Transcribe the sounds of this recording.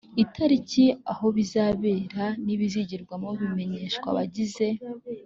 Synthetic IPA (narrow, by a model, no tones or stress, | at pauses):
itʰaɾiciaho̞βizaːβe̞ːɾaniβiziɟiɾɡwamoβime̞ɲeʃkwa̰βa̰ɟize̞